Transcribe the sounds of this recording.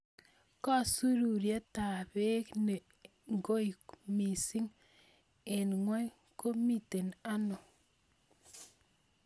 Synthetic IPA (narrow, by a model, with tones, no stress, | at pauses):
ka˦˨su˦ɾu˨ɾja˦ta˨βe˦kne˨ | ŋɡo˦i˨kmi˨si˦ŋ | e˨nŋwa˦ | ko˦mi˦te˨na˦no˨